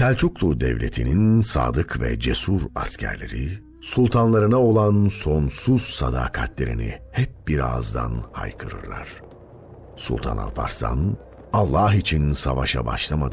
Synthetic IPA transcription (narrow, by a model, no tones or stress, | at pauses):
t̪ʰælʲt͡ʃʰuklˠud̪ɛvlʲe̞t̪ʰininsaːd̪ɯkʰvɛd͡ʒesuɾascʰæ̰ɾlʲe̞̰ɾi | sulˠt̪ʰanlˠaɾɯnao̞lˠanso̞nsuz̥sad̪aːkʰat̪lʲe̞ɾinḭhɛp̚biɾazd̪a̰nhajkʰɯɾɯ̰ɾlˠa̰ɾ̥ | sulˠt̪ʰa̰na̰lˠpʰaɾst̪a̰n | alˠːaɦit͡ʃʰinsavaʃabaʃlˠamad̪